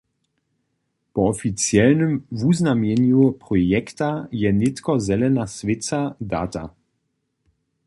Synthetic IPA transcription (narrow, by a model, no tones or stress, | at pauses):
pɔɔfit͡sjɛlnəmvuznamjɛnjupʁɔjɛktajɛnɪtkɔzɛlɛnasvɪt͡sada̰ːta̰